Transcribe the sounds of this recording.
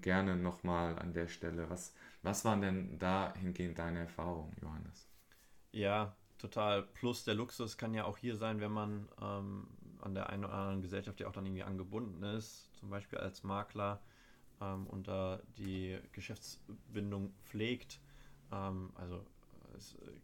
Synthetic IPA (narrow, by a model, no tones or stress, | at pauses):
ɡ̥ɛɐnənɔχmaːla̰ndeːɐʃtɛləvasvasv̥aːʁəndɛndaːhɪnɡeːɡŋ̩t̚d̥aɪnəɛɐfaːʁʊŋənjo̰hanəs | jaː | tʰotʰaːlpʰlʊsd̥eːɐlʊksʊskʰanjaːʔa̰ʊxhiːɐzaɪnvɛnmanʔɛːmʔa̰ndeːɐʔa̰ɪnoːdɐ̰ʔandəʁənɡəzɛlʃaftjaːʊxd̥anʔɪɡŋ̩v̥iːʔa̰nɡəbʊndn̩ɪstt͡sʊmbaɪʃpiːlʔa̰lsmaːklɐ | ʔɛːmʔʊ̰nt̚d̥ad̥iːɡ̥əʃɛft͡sb̥ɪndʊŋp͡fleːktʔɛːmʔa̰lzo | ɛ̰s